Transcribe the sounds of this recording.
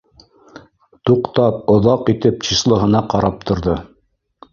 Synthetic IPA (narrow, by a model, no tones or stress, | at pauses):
t̪uqt̪ɑp̚ŏðɑqit̪ɘp̚t͡ɕiʃlˠɤ̆ɦɤ̆nɑqɑɾɑp̚t̪ʰŏɾðɤ